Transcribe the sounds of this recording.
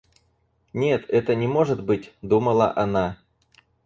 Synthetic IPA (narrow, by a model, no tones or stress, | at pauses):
nʲe̞t̪ɛt̪ənʲɪmo̞ʐɨt̪bɨtʲd̪uməlˠə̰ʔɐna